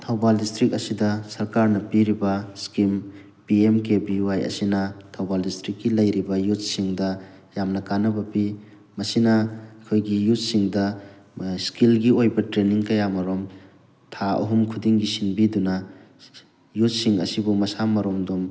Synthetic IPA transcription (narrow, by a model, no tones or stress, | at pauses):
tʰawbaldistɾik̚ɐsidɐsɐɾkaɾnɐpiɾibɐskim | piemkebiwajɐ̰sinɐtʰawbaldistɾikːilɐjɾibɐjut̚siŋdɐ | jamnɐkanːɐbɐpi | mɐsinɐɐkʰojɡijut̚siŋdɐ | skilɡiojbɐtɾeniŋkɐjamɐɾom | tʰaɐ̰ɦumkʰudiŋɡisinbidunɐ | jut̚siŋɐ̰sibumɐsamɐɾomdum